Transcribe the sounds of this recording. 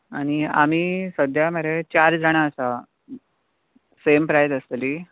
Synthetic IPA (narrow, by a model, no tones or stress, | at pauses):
aɽ̃ia̰m̤iːsəd̪ʱjaməɾet͡ɕaɾd͡zaɽ̃aəsa | sempɾajd̪əst̪li